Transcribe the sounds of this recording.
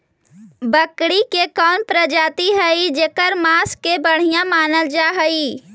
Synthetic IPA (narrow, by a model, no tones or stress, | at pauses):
bəkɽikekɔːnpɾəd͡ʒaːt̪iɦəid͡ʒekəɾmaːskːebəɽ̤ijãmaːnəld͡ʒaːɦəiː